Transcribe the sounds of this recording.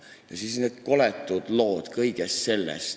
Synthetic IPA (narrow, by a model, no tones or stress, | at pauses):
jɑsiːsneːd̪̥ko̞let̪ːˑud̪̥lo̞ːd̪̥kɤjɡ̥est̪se̞lːɛ̰st̪